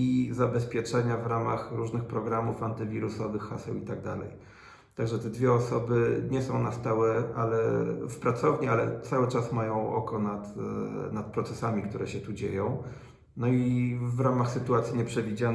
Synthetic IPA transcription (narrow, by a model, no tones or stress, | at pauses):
izabɛspʲjɛt͡ʂɛɲavɾamaxɾuʐnɘxpɾɔɡɾamufant̪ɘvʲiɾusɔvɘxːasɛwit̪aɡ̚d̪a̰lɛ̰j | t̪aɡʐɛt̪ɛd̪vʲjɛɔsɔbɘɲɛsɔ̃w̃nast̪awɛalɛfpɾat̪sɔvɲialɛt̪sawɘt͡ʂasmajɔ̃w̃ʔɔ̰kɔnat̪nat̪̚pɾɔt̪sɛsamʲikt̪uɾɛɕɛt̪ud͡ʑḛjɔ̃w̃ | nɔivɾamaxsɘt̪uat̪sʲjiɲɛpʂɛvʲid͡ʑa